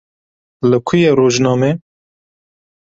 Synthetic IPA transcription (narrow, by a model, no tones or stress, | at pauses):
ləkʰʊjeːɾoːʒnɑːmeː